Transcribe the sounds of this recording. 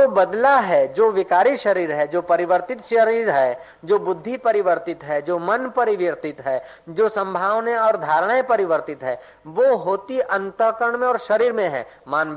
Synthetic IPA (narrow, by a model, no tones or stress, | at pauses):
d͡ʒoːbɐd̪laɦɛd͡ʒoːʋɪkaːɾiʃɐɾiːɾɦɛd͡ʒoːpɐɾɪʋəɾt̪ɪt̪ʃəɾiːɾɦɛ | d͡ʒoːbʊd̪ʱːipɐɾɪʋəɾt̪ɪt̪ɦɛd͡ʒoːmɐnpɐɾɪʋjəɾt̪ɪt̪ɦɛ | d͡ʒoːsɐ̃mbʱaːʋneɔːɾd̪ʱaːɾəɽ̃aepɐɾɪʋəɾt̪ɪt̪ɦɛː | ʋoɦoːt̪iʔɐ̃nt̪əkəɾəɳmẽɔːɾʃɐɾiːɾmẽɦɛ̰ː | maːnb